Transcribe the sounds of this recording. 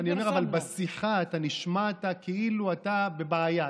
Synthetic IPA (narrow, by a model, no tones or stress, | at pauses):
nio̞meavalbasiχaːtaniʃmatakeiluatabe̞baːja